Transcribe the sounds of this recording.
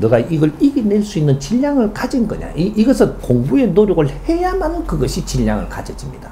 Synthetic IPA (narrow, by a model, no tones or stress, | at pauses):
nɯɡaiɡʌɭiɡineɭs͈uinːɯnt͡ɕiʎːaŋɯɭkad͡ʑinɡʌ̰ɲa̰iiɡʌsʰɯnpoŋbue̞noɾjoɡɯɭhe̞jamanɯnkɯɡʌɕʰit͡ɕiʎːaŋɯ̰ɭkad͡ʑʌd͡ʑimɲida